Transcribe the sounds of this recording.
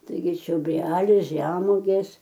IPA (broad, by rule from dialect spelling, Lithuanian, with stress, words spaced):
tɐɪˈɡʲɪ t͡ʃʲoːˈbʲrʲæːlʲɛɪ ˈʒʲæːmuɔɡʲeːs